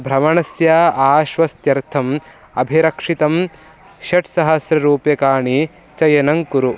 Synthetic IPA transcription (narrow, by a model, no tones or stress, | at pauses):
bʱɾɐmɐɳɐsjaːaːʃʋɐst̪jɐɾt̪ʰɐm | ɐbʱiɾɐkʂit̪ɐm | ʃɐʈsɐɦɐsɾɐɾuːpjɐkaːɳi | t͡ʃɐjɐnɐŋkuɾu